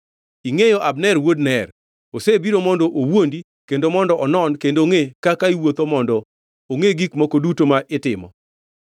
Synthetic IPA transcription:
iŋejoʔabnɛrwodnɛr | osebiɾomɔndɔʔowondi | kendomɔndɔʔɔnɔnkendoŋekakaiwot̪omɔndɔ | oŋeɡikmɔkodutomaʔɪtɪmɔ̰

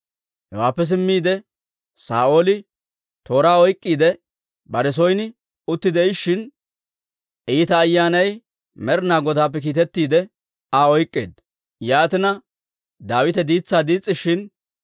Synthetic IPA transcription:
hɛwaːpːɛs̬ɪmːiːd̪ɛ | sa̰ːʔo̞ːlɪ | t̪o̞ːɾaːɔjkʼːiːd̪ɛ | bɐɾɛs̬ɔjnɪ | ʊt̪ːɪd̪ɛɪʃːɪn | ʔiːt̪ɐːjːaːnɐj | mɛɾnaːɡɔd̪aːp̬ːɛk̬iːt̪ɛt̪ːiːd̪ɛ | aɔjkʼːḛːd̪ | jaːt̪ɪnɐ | d̪aːwɪt̪ɛd̪iːt͡sːaːd̪iːt͡sʼːɪʃɪn

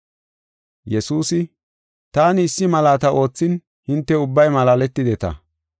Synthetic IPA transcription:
jɛsuːsɪ | t̪aːnɪːsːɪmɐlaːt̪ɐʔo̞ːt͡sːɪn | hɪnt̪ːɛʊbːɐjmɐlaːlɛt̪ːɪd̪ɛt̪ɐ̰

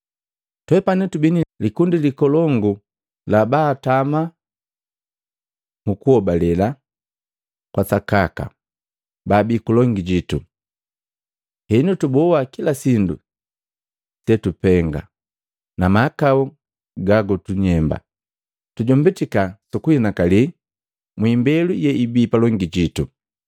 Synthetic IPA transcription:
twɛpanitubinilikundilikɔlɔŋɡu | labaːtama | mukuhɔbalɛla | kwasakaka̰ | baːbikulɔŋɡiɟitu | hɛnutubɔwakilasindṵ | sɛtupɛŋɡa̰ | namaːkau | ɡaɡɔtuɲɛmba̰ | tuɟɔmbitikasukuhinakali | mwiːmbɛlujɛibiːpalɔŋɡiɟitu

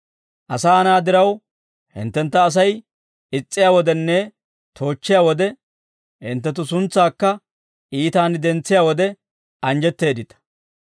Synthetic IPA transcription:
ʔɐsaːnaːd̪ɪɾɐw | hɪ̰nt̪ːɛnt̪ːɐːs̬ɐj | ɪt͡sʼːɪjaːwɔd̪ɛnːɛ | t̪ʰo̞ːt͡ʃːɪjaːwɔd̪ɛ | hɪnt̪ːɛt̪̬ːʊsʊnt͡sːaːkːɐ | ʔiːt̪aːnd̪ɛnt͡sːɪjaːwɔd̪ɛ | ɐnd͡ʒɛt̪ːe̞ːd̪ɪt̪ɐ̥

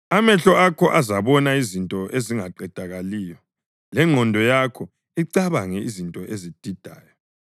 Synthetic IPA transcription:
amɛɬɔakʰɔʔazaβɔnaizintʼɔʔeziŋaǃɛd̥ʱaɣaliːjɔ | lɛŋʱɔndʱɔjakʰɔ | iǀaβaŋɛizintʼɔʔezid̥ʱid̥ʱaːjɔ

